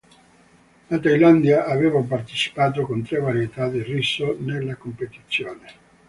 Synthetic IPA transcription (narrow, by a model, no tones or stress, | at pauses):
lat̪ajland̪jaʔaveːvap̬art̪e̥t͡ʃi̥paːt̪okont̪ɾevaɾiet̪ad̪irːisːonelːakompet̪it̪sːjoːne